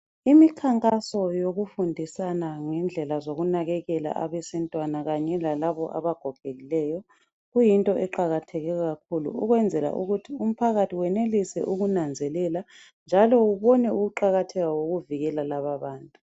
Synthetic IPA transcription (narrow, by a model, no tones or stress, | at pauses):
imikʰaŋkʼasɔjoɣufundʱisanaŋɛnd͡ɮʱɛlazoɣunaɣɛɣɛla̰ʔaβɛsɛntʼwanaɣaɲɛlalaβɔʔa̰βaɡ̥ʱɔɡ̥ʱeɣilɛjɔ | ɣujintʼɔʔɛǃaɣatʰɛɣɛɔɣakʰulṵuɣwɛnd͡zʱɛla̰ʔuɣutʰium̩pʰaɣatʰiwɛnelisɛ̰ʔuɣunand͡zʱɛlɛla | nd͡ʒʱalɔuβɔnɛuɣuǃaɣatʰɛɣawoɣuviɣɛlalaβaβaːntʼu